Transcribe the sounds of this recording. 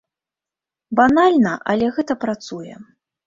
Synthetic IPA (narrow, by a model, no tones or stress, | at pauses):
banalʲnɐʔɐlʲɛɣɛt̪ɐpɾat̪sujɛ̰